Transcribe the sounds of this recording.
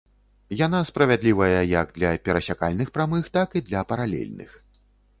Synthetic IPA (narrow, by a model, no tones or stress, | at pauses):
jan̪aspɾɐvʲad̪lʲivɐjɐjɐɡ̚d̪lʲɐpʲɛɾɐsʲakalʲnɨxpɾamɨxt̪akɨd̪lʲɐpɐɾalʲɛ̰lʲnɨ̰x